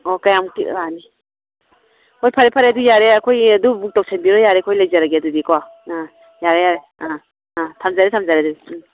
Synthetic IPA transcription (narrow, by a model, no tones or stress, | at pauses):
ɔkɐjamkḭɾani | ojpʰaɾepʰaɾedujaɾeɐkʰojɐdubuk̚tɔk̚sʰenbiɾɔjaɾekʰojlajzaɾaɡeɐdudikwaa | jaɾejaɾe | a | ãtʰamzaɾetʰamzaɾedui